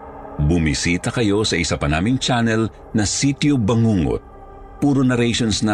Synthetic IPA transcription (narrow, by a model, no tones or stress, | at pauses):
bʊmisiːt̪ɐkɐjo̞sɐʔɪsapɐnaːmɪŋt͡ʃanɛl | nɐsit̪jobɐŋuŋo̰t̪̚ | puːɾonɐɾɛjʃonsnɐ